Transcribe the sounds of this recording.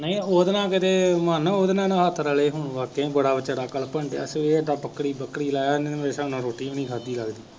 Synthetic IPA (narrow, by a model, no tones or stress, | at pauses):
nəĩːoːd̪nãːkɪt̪eːmənoːd̪nãːnãːɦət̪ʰːɾəleːɦʊɳʋaːkeːbəɽaːbət͡ʃːəɽaːkəlpəɳɖeə̰seːəɖaːbəkːɽiːbəkːɽiːlaːaːnẽmeːsaːʊnãːɾoːʈiːonĩːɡʰʱaːd̪iːləɡd̪iː